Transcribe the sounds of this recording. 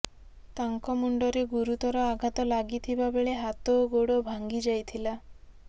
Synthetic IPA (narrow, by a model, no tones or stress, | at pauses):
t̪aŋkɔmuɳɖɔɾeɡuɾut̪ɔɾɔaɡʱat̪ɔlaɡit̪ʰibabeɭeɦat̪oɡoɽobʱaŋɡid͡ʒajt̪ʰila